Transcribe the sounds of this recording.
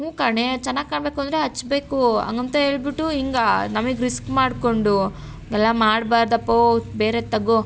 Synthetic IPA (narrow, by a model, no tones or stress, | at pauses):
ũːkaːɳet͡ʃɛnːaːɡ̚kaːɳbe̞ːkuɐnd̪ɾeɦɐt͡ʃːbe̞ːkuɐ̰ŋɡɐnt̪ɐeːɭbiʈːuiŋɡanɐmiɡɾiskmaːɽkoɳɖu | ŋɡɛlːɐmaːɽbaːɾd̪ɐpːobeːɾet̪ɐɡo